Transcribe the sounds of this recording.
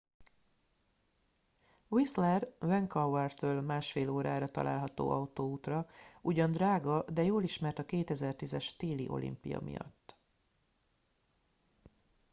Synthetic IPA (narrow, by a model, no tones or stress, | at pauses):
wislɛrvɛŋkɒwɛrt̪øːlmaːʃfeːloːɾaːɾɒt̪ɒ̰lʔa̰ːlɦɒt̪o̰ːʔɒut̪oːuːt̪rɒuɟɒnd̪raːɡɒd̪ɛjoːliʃmɛrt̪ɒkeːt̪ɛzɛrt̪izɛʃt̪eːliʔo̞̰lḭmpijɒ̰mḭjɒ̰t̪ː